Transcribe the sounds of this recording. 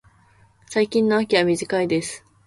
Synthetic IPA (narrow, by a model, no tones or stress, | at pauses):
saikʲĩnːoakʲiβamʲiʑikaid̪e̞sɨ̥